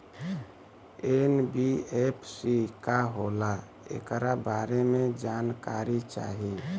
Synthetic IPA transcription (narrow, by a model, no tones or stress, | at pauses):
enbiepʰsikaɦola | ḛkɾabaːɾemẽd͡ʒaːnkaɾit͡ʃa̰ːɦi